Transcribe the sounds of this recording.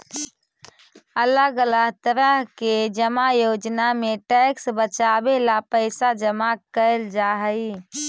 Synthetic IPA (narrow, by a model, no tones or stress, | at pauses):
ələɡələɡt̪əɾəɦked͡ʒəmajod͡ʒnameʈɛksbət͡ʃabelapəɪsad͡ʒəmakəɪld͡ʒaɦəɪ